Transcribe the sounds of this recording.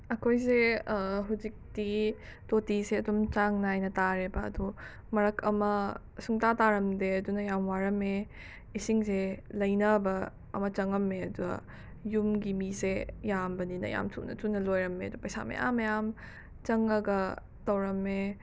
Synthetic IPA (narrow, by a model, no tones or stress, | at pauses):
ɐkʰojseɦuzik̚ti | totiseɐdomt͡ʃaŋnajnɐtaɾebɐ̰ːdu | mɐɾɐkʰɐmɐ | suŋtataɾɐmdeɐdunɐjamwaɾɐme | isiŋselɐjnɐbɐ | ɐ̰mɐt͡ʃɐŋɐmːeɐduɡɐ̰ | jumɡimisejambɐninɐ̰ja̰mtʰṵnɐ̰tunːɐlojɾɐmːḛɐdupɐjsa̰mḛʔa̰mɐjam | t͡ʃɐŋɐɡɐ | tɐwɾɐmːe